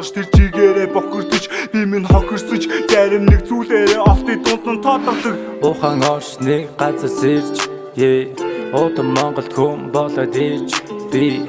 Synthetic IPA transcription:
ʃt̪ʰert͡ɕiɣeːɾeːpɔxʲɪ̆r̥t̪ɵ̆t͡ɕpiminχɔxʲɪ̆rsɵ̆t͡ɕt͡sæɾʲɪ̆nːek̚t͡suːɮeːɾeːɔɬt̪iːt̪ʊnsə̆nt̪ʰɔt̪ə̆kɮɞ̆k | ʊːχaːŋɔrʃnekɢat͡sə̆rsew̥t͡ɕ | eʊːt̪ə̆mːɔɴɢɞ̆ɬt̪xʰɵmpɔɮɞ̆t̪eːt͡ɕpi

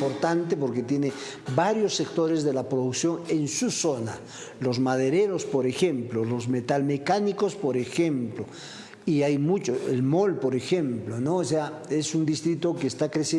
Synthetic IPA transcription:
poɾt̪ant̪̬epo̞ɾket̪je̞ne | βaɾjo̞sːe̞kt̪o̞ɾezðe̞lapɾoðuksjoŋe̞nsuso̞na̰ | lozmaðe̞ɾeɾo̞spo̞ɾe̞xe̞mplolo̞zme̞t̪alme̞kaniko̞spo̞ɾexemplo | iajmut͡ʃoelmolpo̞ɾexemplonoːsea | esund̪ist̪ɾit̪o̞keːst̪akɾese

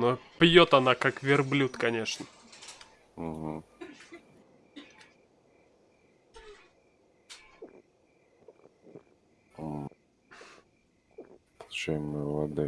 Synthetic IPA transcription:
nopjot̪ɐnakakvʲɪrblʲut̪kɐnʲe̞ʂnə | m̩ɦ̩ | pəlˠʊt͡ɕæjɪmɨjvɐd̪ɨ

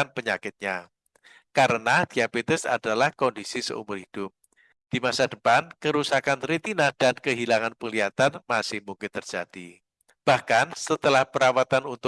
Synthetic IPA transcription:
anpəɲakɪt̪̚ɲa | kaɾənad̥iabet̪ɛsa̰d̥alahkɔndisisə̰ʔṵmʊrɦid̥ʊp̚ | d̥imasadəpankəɾusakanɾit̪inahd̥ankəɦilaŋanpəŋliat̪anmasɪhmuŋkɪnt̪ərd͡ʒ̥ad̥i | b̥ahkansət̪əlahpəɾawat̪anunt̪ʊ

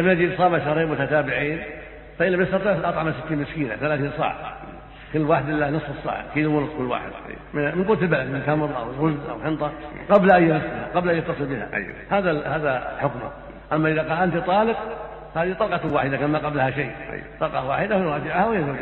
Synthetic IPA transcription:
amnad͡ʒisˤɑːmaʃahɾiːmwʊt̪at̪aːbɪʕiːn | faʔɪlːamjɪst̪ɑt̪ˤiːʕʔɑt̪ˤʕamasɪt̪ːiːnmɪskiːna̰θalaːθiːnsa̰ːʕa̰ | kɪlːwaːħɪd̪ɪlːanɨsˤːɨsˤːa̰ːʕa̰kiːluwʊnʊsˤkʊlːwa̰ːħɪ̰d̪ʔammɪnquːɾt̪ɪlbalad̪mɪnt̪amɾˤʔa̰wɣʊzʔa̰wħɪnt̪ˤɑqɑblʔajːasaaqɑblʔajːat̪ːɑsˤɨlbɪha̰ʔa̰jwa̰haːðahaːðaħʊkma̰ | ʔamːaʔɪðaqɑːlʔant̪it̪ˤɑːlɪq | haːðit̪ˤɑːlqɑwaːħɪd̪akanmaqɑblhaʃejːʔa̰jwat̪ˤɑːqɑ̰wa̰ːħɪd̪ahwɾˤɑːd͡ʒɪʕhawɪjazawːd͡ʒ

